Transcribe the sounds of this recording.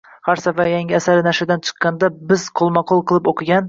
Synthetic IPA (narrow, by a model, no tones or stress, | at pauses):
χɑɾsavajaŋɡʲɪasaɾɪnaʃɪd̪ant͡ʃʰɨ̥qːɑnd̪abɪzqʰolˠmɑqʰolˠqʰɨlˠɪpoqʰɨɡʲan